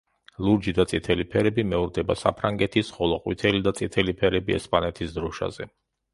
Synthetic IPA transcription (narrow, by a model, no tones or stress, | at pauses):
lˠuɾd͡ʒid̪at̪sʼit̪ʰɛlipʰɛɾɛbimɛuɾd̪ɛbasa̰pʰɾaŋɡɛt̪ʰisχɔlˠɔqʼwit̪ʰɛlid̪at̪sʼit̪ʰɛlipʰɛɾɛbiɛ̰spʼanɛt̪ʰisd̪ɾɔʃa̰zɛ